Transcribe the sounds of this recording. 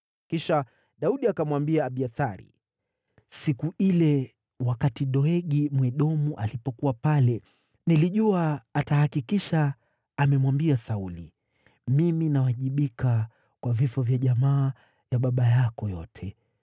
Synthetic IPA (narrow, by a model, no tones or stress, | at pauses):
kiʃa | ɗauɗiakamwambiaːɓiaθaɾḭ | sikuilɛ | wakatiɗɔɛɠimwɛɗɔmuʔalipɔkuwapalɛ | niliʄuaːtahakikiʃaː | mɛmwambiasaulḭ | miminawaʄiɓika | kwavifɔvjaʄamaː | jaɓaɓajakɔjɔ̰tʰɛ